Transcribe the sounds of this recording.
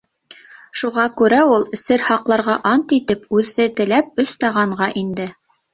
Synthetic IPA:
ʃuʁɑkʉɾæulˠɘ̆sɘɾhɑqlˠɑɾʁɑʔɑnt̪it̪ɘpʉðːɘt̪ɘ̆læp̚ɵ̆st̪æʁɑɴʁɑʔind̪ɘ

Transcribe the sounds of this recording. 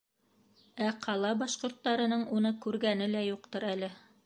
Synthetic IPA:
æqʰɑlˠɑbɑʃqŏɾt̪ːɑɾɤ̆nɤɴunɤkʉɾɡænɘlæjuq̚t̪ɤɾælɘ

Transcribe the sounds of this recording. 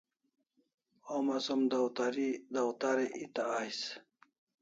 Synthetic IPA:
omasumd̪awt̪aɾid̪awt̪aɾeʔit̪aajs

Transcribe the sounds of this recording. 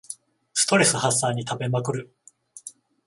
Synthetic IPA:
sɨ̥t̪o̞ɾe̞sɨhasːaːɲ̟it̪abe̞makɯ̟ɾɯ̟

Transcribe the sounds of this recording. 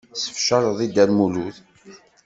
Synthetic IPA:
sə̥fʃəɾˤðˤid̪ælmuluθ

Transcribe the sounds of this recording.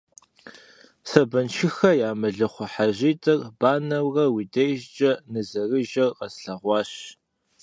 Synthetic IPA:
sɐbɐnʃʰɪxɐjaːmɨɮɐχʷɔħaʑiːtʼɐrb̥aːnɐwrɐwidɐjʒt͡ʃʼɐnɨzɐrɨʒɐrqɐsɬɐʁʷɑːɕ

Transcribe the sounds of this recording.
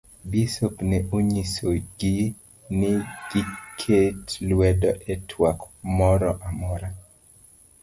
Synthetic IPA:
bisopnɛʔuɲisoɡɪ | nɪɡ̥ɪkʰetlwɛdɔʔɛtʰwakmɔɾɔʔamɔɾa

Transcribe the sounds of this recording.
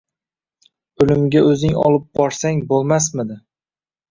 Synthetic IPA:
ɵlɪmɡʲaɵzɪŋɒ̰lˠɪp̚bɒɾsaŋbolˠmasmɪd̪ɪ

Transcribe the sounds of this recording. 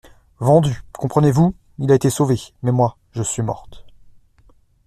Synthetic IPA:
vɑ̃d̪ykɔ̃pχənevu | ilaet̪esovemɛmwa | ʒəsɥimɔ̰ʁt̪

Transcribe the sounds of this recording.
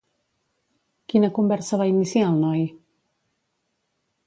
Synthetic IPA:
kinəkumbɛɾsəβainisiaːlˠnɔj

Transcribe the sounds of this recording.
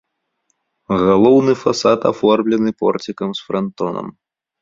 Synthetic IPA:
ɣalˠɔwnɨfasat̪afɔrmlʲɛnɨpɔ̰rt͡sʲikɐmsfɾant̪ɔnɐ̰m

